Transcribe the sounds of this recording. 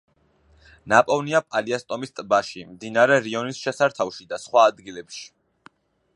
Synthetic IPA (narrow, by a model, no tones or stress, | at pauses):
napʼɔvniapʼaliast̪ʼɔmist̪ʼbaʃimd̪inaɾɛɾiɔnisʃɛsaɾt̪ʰafʃid̪asχwaːd̪ɡilɛpʃi̥